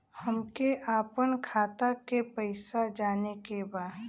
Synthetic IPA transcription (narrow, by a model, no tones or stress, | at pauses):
hɐmkeʔaːpənkʰaːt̪akepəɪsad͡ʒaːnekebaːd̪